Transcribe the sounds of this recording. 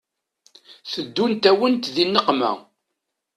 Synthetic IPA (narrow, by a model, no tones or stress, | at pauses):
θəd̪ːunt̪æwənt̪ðinːəqmæ̰